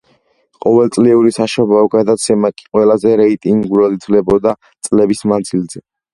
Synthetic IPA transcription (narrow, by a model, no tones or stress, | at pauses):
qʼɔvɛlˠt̪sʼliuɾisaʃɔbaɔɡad̪at̪sʰɛmakʼi̥qʼwɛlazɛɾɛit̪ʼiŋɡɡuɾad̪it̪ʰvlɛbɔd̪a | t̪sʼlɛbismand̪zilzɛ